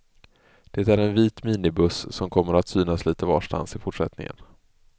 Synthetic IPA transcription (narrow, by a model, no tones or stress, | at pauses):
d̪̥ɛt̪æɾɛnviːt̪miːnɪbɵssɔmkʰɔmːəɾat̪syːnasliːt̪əvɑ̰ːʂʈa̰nsɪfʊʈʂɛt̪nɪ̰ŋə̰n